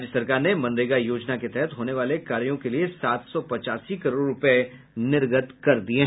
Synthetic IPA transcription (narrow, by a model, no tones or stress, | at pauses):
d͡ʒjəsɐɾkaːɾnemɐ̃nɾeːɡajoːd͡ʒnaket̪ɛɦɛt̪ɦoːneʋaːlekaːɾjõkeliesaːt̪sɔpɐt͡ʃaːsikɐɾoːɾɾʊp | nɪɾɡət̪kɐɾd̪ieɦ